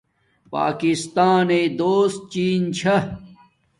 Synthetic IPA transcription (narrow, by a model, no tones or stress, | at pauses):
pa̰ːkist̪aːneːd̪oːst̪̚t͡ɕiːnt͡ɕʰɐ